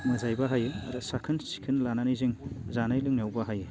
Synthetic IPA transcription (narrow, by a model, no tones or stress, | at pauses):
mɯzajbaɦajɯa̰ɾɯsakʰɯnsi̥kʰɯnlananijziŋzanajlɯŋnawbaɦajɯ